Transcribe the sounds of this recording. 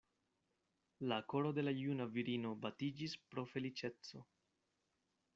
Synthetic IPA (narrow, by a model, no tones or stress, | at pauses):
lako̞ɾo̞de̞lajunaviɾino̞batid͡ʒispɾo̞fe̞lit͡ʃe̞t͡so̞